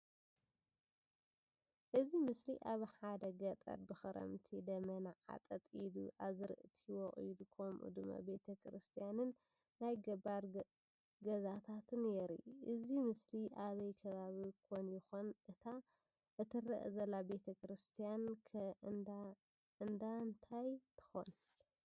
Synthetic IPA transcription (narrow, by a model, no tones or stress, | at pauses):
ʔɨzimɨsliʔaβħad̪ɐɡɐt̪ʼɐ̰ɾbɨxɨɾʔɐ̰mt̪ʰid̪ɐmɐnaʕa̰t̪ʼɐt̪ʼid̪uʔaβzɨɾɨ̰ʔt̪ʰiwɔχʼṵjd̪ukʰomʔṵd̪umɐ̰be̞t̪ʰɐkʰɾɨst̪ʰijanɨnː | ajɡɐbaɾ | ɡɐzat̪ʰat̪ʰɨnɛɾḭʔɨzimɨsliʔaβɐjkʰɐβaβikʰonjɪxonʔɨt̪ʰa | ʔɨt̪ʰɨrɐ̰ʔzɐlːabe̞t̪ʰɐkʰɾɨst̪ʰijankʰ | ɨnd̪ant̪ʰajt̪ʰɨ̥xo̰n